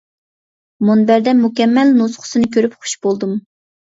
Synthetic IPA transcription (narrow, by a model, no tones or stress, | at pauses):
monbæɾd̪ɛmukʲɛmːɛlnosχʰʊ̥sɨnɨkʲʰøɾypχu̥ʃbolˠd̪um